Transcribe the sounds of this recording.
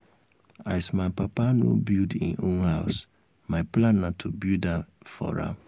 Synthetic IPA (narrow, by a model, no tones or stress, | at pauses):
aɪsmapapanubildḭ̃nõnhaʊs | maɪplãnːãtʰubilda | fɔ̰ɹa̰